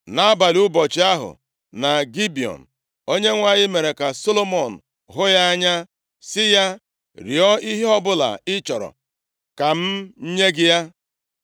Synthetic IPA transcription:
na˦ba˨lu˦bɔ˨t͡ʃi˦a˦ɦʊ̰˨ | na˨ɡi˦bi˨ɔ̰˨n̩˨ | o˦ɲe˦ŋʷa˦ɲɪ˦me˨ɾe˨ka˨so˦lo˦mɔ˨n̩˨ | ɦʊ˦ja˦a˦ɲa˦ | sɪ˦ja˦ | ɾi˨ɔ˦i˦ɦi˦ɔ˦bʊ˦la̰˨ɪ˦t͡ʃɔ˨ɾɔ̰˨ | ka˨m̩˦ɲ̩˦ɲe˦ɡɪ˦ja˦

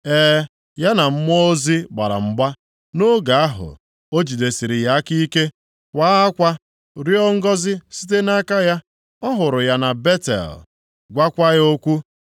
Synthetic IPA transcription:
ɛː˦ | ja˦na˨m̩˦mɔ˦o˦zi˦ɡ͡ba̰˨ɾa̰˨m̩˨ɡ͡ba˦ | no˦ɡa˨a˦ɦʊ̰˨ | o˦d͡ʒi˨de˨si˨ɾi˨ja˦a˦ki˦ke˦ | kʷa˦a˦kʷa˦ | ɾi˦ɔ˦ŋ̩˦ɡɔ˦zɪ˦si˦t̬e˦na˦ka˦ja˦ | ɔ˦ɦʊ˨ɾʊ˨ja˦na˨be˦tḛ˨l | ɡʷa˦kʷa˦jo˦kʷu˦

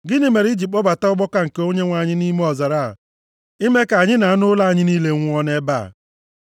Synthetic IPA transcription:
ɡɪ˦nɪ˨me˨ɾi˦d͡ʒi˨k͡pɔ˦ba˨ta˦ʊ˦ɡ͡bɔ˦ka˦ŋ̩˨ke˦o˦ɲe˦ŋʷa˨ɲɪ˦ni˦me˦ɔ˨za˨ɾa̰˦˨ | i˦me˦ka˨ɲɪ˦na˨a˦nʊ˦la˦a˨ɲɪ˦niː˦le˦ŋʷ˦ɔ˦ne˦ba̰˦˨

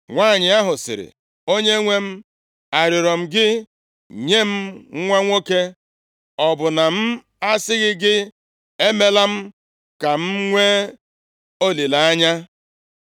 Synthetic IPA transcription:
ŋʷaː˦˨ɲɪ˨a˦ɦʊ˨sɪ̰˨ɾɪ̰˨ | o˦ɲe˦ŋʷe˦m̩˦ | a˨ɾɪ˨ɾɔ˨m̩˦ɡɪ˦ | ɲe˦m̩˦ŋʷa˦ŋʷo˦ke˦ | ɔ˨bʊ˨na˨m̩˦ | a˦sɪ˦ɣɪ˦ɡɪ˦ | e˦me˦la˦m̩˦ | ka˨m̩˦ŋʷe˦ | o˦li˨la˨a˦ɲa˦

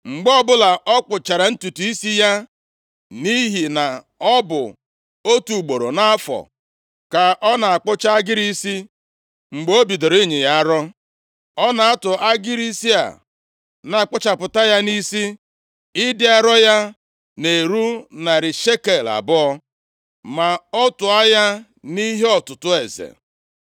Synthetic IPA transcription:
ŋ͡m̩˨ɡ͡bɔ˦bʊ˦la˨ɔ˦k͡pʊ˨t͡ʃa˨ɾa˨n̩˦tu˨tu˨i˦si˦ja˦ | ni˦ɦi˨na˨ | ɔ˦bʊ̰˨ | o˦tu˨ɡ͡bo˨ɾo̰˨na˦a˦fɔ̰˨ | ka˨ʔɔ˦na˨a˨k͡pʊ˦t͡ʃa˦a˦ɡɪ˦ɾi˦si˦ | ŋ͡m̩˨ɡ͡bo˦bi˨do˨ɾɪ˦ɲɪ˨ja˦a˦ɾɔ˦ | ɔ˦na˨a˦tʊ˨ʔa˦ɡɪ˦ɾi˦si˦a̰˨ | na˨a˨k͡pʊ˦t͡ʃa˨pʊ˨ta˦ja˦ni˦si˦ | ɪ˦dɪ˦a˦ɾɔ˦ja˦ | ne˨ɾu˦na˨ɾɪ˨ʃe˦ke˨la̰˨bʊ˦ɔ˦ | ma˨ɔ˦tʊ˨a˦ja˦ | ni˦ɦe˦ɔ˨tʊ˨tʊ˦e˨zḛ˨

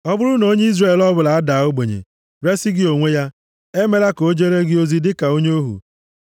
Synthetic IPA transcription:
ɔ˦bʊ˦ɾʊ˦no˨˦ɲe˦i˦zre˦˨lɔ˦bʊ˨la˨a˦da˨˦o˦ɡ͡be˨ɲḛ˨ | ɾe˦sɪ˦ɡɪ˦o˨ŋʷe˦ja˦ | e˦me˦ɾa˦ko˦d͡ʒe˦ɾe˦ɡɪ˦o˦zi˦dɪ˦ka˨o˦ɲe˦o˦ɦṵ˨

